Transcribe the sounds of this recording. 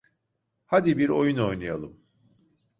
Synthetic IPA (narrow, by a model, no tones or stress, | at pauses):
had̪ibiɾo̞̰juno̞jnaja̰lˠɯm